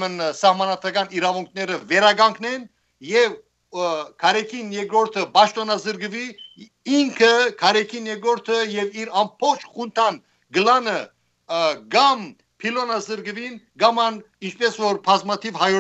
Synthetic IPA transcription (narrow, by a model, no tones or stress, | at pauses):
mənsɑhmɑnɑd̪ɾɑɡɑniɾɑvuŋkʰnɛɾəvɛɾɑɡɑŋkʰnɛn | jɛv | kʰɑɾɛkʰinjɛɡɾɔɾt̪ʰəbɑʃt̪ɔnɑzəɾɡəvi | iŋkʰəkʰɑɾɛkʰinjɛɡɾɔɾt̪ʰəjɛviɾɑmbʰɔχt͡ʃʰχunt̪ʰɑn | ɡəlɑnə | ɡɑm | pʰilɔnɑzəɾɡəvinɡɑmɑn | int͡ʃʰpɛsvɔɾpʰɑzmɑt̪ʰivhɑjɔ